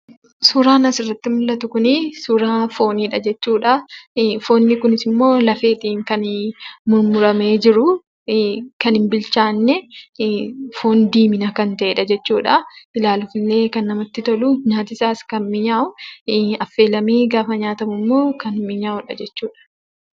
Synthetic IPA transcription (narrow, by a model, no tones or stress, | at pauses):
suːɾaːnɐsɪrːɐt̪ːɪmʊlːɐt̪ʊkʊnɪsuːɾaːfo̞ːniːᶑɐd͡ʒɛt͡ʃːuːᶑɐfo̞ːnːɪkʊnɪsɪmːo̞ːlɐfe̞ːt̪iːŋkɐnmʊɾmʊɾɐme̞ːd͡ʒɪɾʊ | kɐnɪmbɪlt͡ʃaːnːɛ | fo̞ːnd̪iːmɪnɐkɐnt̪ɐʔeːᶑɐd͡ʒɛt͡ʃːuːᶑɐɪlaːlʊfɪlːe̞ːkɐnːɐmɐt̪ːɪt̪ɔlʊɲaːt̪ɪsaːskɐnmɪɲaːʔʊɐfːe̞ːlɐmiːɡaːfɐɲaːt̪ɐmʊmːo̞ːkɐnmɪɲaːʔʊᶑɐ̰d͡ʒɛt͡ʃːuːᶑɐ̥